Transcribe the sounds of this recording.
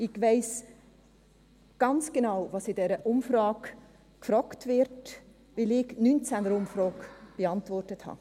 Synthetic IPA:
ɪɡvɛɪs | ɡ̥ɑnt͡sɡ̥enaʊvɑsɪdɛɾəʔʊmfɾɑːk | kfɾɑːktvɪɾt | vɪlɪɡnynt͡sænəɾʊmfɾɔːkb̥əɑntvɔrtəthɑ̰ː

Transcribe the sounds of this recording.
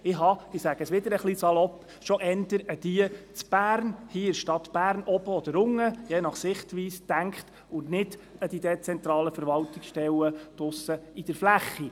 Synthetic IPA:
ɪɦɑɪsæɡ̥əsʋɪd̪əɾəχlisɑlɔp | ʃɔʔɛndəɾəd̥iət͡sb̥æːɾnhiːɪʃtɑt̪b̥æːɾnɔb̥əɔd̪əɾʊŋːəjeːnɑχsɪχtʋiːsd̥æŋkχt | ʊntnɪdəd̥̪id̪et͡sɛnt̪ɾɑːləfəɾʋɑltɪksʃtɛwət̪ʊsəid̥əɾflæχːi

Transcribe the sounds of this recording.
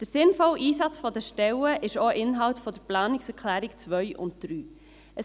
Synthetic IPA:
d̥əɾsɪnfɔlʔiːsɑt͡sfɔdəʃtɛləʔɪʃoʔɪnɦɑltfɔd̥əɾplɑːnɪksɛɾkʰlæːɾɪkt͡sʋœʏʔʊ̰nt̚d̥ɾyː | ə

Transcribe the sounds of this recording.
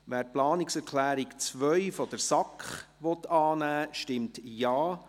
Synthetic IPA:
ʋæːɾplɑːnɪksɛɾkʰlæːɾikt͡sʋœʏfɔd̥əɾsɑkχ | ʋɔt̪ɑːnæːʃtɪmtjɑː

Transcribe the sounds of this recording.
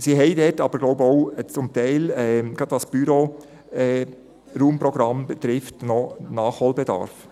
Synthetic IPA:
siɦɛɪdɛtɑbəɾɡ̥loʊbəɔʊt͡sʊmt̪ɛɪlɛːɡ̥ɾɑd̥̪ʋɑsb̥yɾo | ɛ | ɾuːmpɾɔɡ̥ɾɑmbɛt̪ɾɪftnɔnɑːχhoːlbɛd̪ɑ̰ɾf

